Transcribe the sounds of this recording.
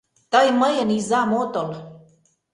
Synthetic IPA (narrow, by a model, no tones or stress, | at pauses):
t̪əjməjənizamot̪ol